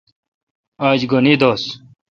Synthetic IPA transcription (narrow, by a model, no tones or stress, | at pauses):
aːd͡ʑɡonid̪oːs